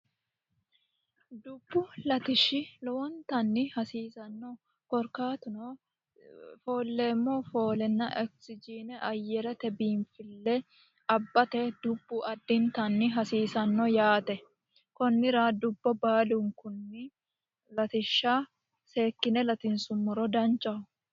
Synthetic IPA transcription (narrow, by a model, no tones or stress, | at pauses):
d̪ʊbːʊlɐt̪ɪʃɪlɔwɔnt̪ɐnːɪhɐsiːsɐnːɔ | kɔɾkaːt̪ʊno | foːlːeːmːofo̞ːlɛnːɐʔɛksɪd͡ʒiːnɛʔɐjːɛɾɛt̪ɛbiːnfɪlːɛ | ɐbːɐt̪ɛd̪̥ʊbːʊɐd̪ːɪnt̪ɐnːɪɦɐsiːsɐnːɔjaːt̪ɛ | kɔnːɪɾad̪ʊbːɔbaːluŋkʊnːɪ | lɐt̪ɪʃːaː | seːkːɪnɛlɐt̪ɪnsʊmːɔɾɔd̪ɐnt͡ʃʼːɐʊ